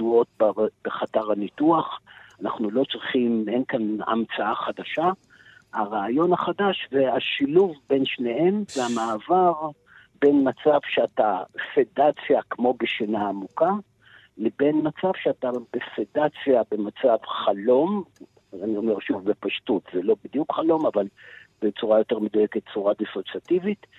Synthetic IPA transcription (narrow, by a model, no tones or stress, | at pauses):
duo̞t̚bab̥eχataʁanituaχanaχnulo̞t͡sʁiχimenkana̰mt͡saaχad̪aʃa | haʁaːjo̞naχadaʃveaʃiluvbe̞nʃne̞he̞mzeamaːvaʁ | be̞nmat͡savʃeatafedat͡sjakmo̞beʃenaːmuka | lebe̞nmat͡savʃeatab̥efedat͡sjabe̞mat͡savχalo̞m | anio̞meʁʃuvbepaʃtutzelo̞bid̪jukχalo̞mavalbet͡suʁajo̞te̞ʁmed̪ujeket̚t͡suʁad̪isot͡sat̪ivit